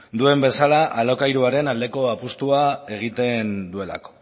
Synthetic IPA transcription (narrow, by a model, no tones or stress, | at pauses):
d̪ue̞mbe̞salaʔalo̞kajɾuaɾe̞nald̪e̞ko̞apust̪uae̞ɣ̞it̪e̞nd̪ue̞la̰ko̞̥